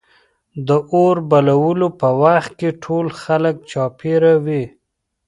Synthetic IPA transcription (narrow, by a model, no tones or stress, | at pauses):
d̪əʔoɾbalawəlopəwaxt̪̚keʈʰolxalək̚t͡ʃɑpeɾawi